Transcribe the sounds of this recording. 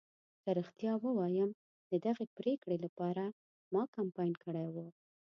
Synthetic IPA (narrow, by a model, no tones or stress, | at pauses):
kaɾəxt̪jɑwəwɑjəm | d̪əd̪aɣepɾekɽelapɑɾa | mɑkampɑjnkəɽajwu